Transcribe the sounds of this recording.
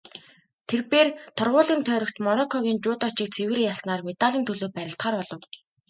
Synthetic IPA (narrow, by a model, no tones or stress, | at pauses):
t̪ʰerpeːrt̪ʰʊrʁʊːɮiːnt̪ʰœːɾɞ̆kt̪mɔnɔkʰːɔɣʲiːnt͡ɕʊːt̪ɔt͡ɕɪːk̚t͡sʰewɘ̆rijasnaːrmet̪aɮʲiːnt̪ʰɵɮoːpæɾʲɪ̆ɬt̪χaːrpɔɮɞ̆w